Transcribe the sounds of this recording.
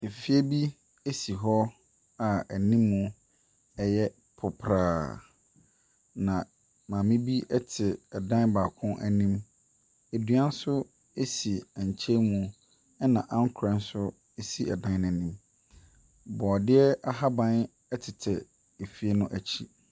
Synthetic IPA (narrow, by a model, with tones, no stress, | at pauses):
e˨fi˦e˦bi˦ | e˦si˨ɦɔ˦ | a˨æ˨nĩ˦mːũ˨ | ɛ˦jɛ˦ | pʰʊ˨pʰɾaː˨ | nã˨ | mãː˨mɪ̃˦bi˦ɛ˦tʰɪ˨ɛ˨dã˦nbaː˨kʰʊ̃˦ʔæ̰˨nĩ˦m | e˨du˨˦ã˦n̩˦sʊ˦ | e˦si˨ã˨ɲ˨t͡ɕʰe˦mũ˨˦ | ɛ˦nã˨ʔã˦ŋ˦kʰɾɛ̃˨n̩˦sʊ˦ | e˦si˦ɛ˨dã˦n˦nɛ̃˨nĩ˦m | bɔː˨dɪ˦ɛ˦a˦ɦa˦bã˦n | ɛ˦tʰɪ˨tʰɛ˨ | e˨fi˦e˦nʊ̃˦ʔæ˨t͡ɕʰi˦